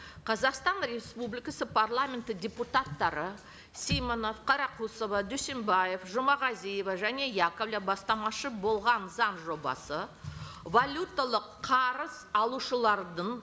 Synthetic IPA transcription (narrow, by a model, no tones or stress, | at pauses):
qʰɑzɑqst̪ɑnre̞spublijkasəpʰarlˠamʲent̪ɪdʲe̞put̪at̪ːɑɾə | sʲejmono̞fqʰɑɾɑqʰusovɑd̪ɵse̞mbaje̞fʒʊmɑʁɑzijevaʒæne̞jakovlʲabɑst̪ɑmɑʃəbo̞lˠʁɑnzɑnʒo̞bɑ̰sə | valʲut̪ːalˠəqʰɑɾəzɑlˠuʃəlˠɑɾd̪əɴ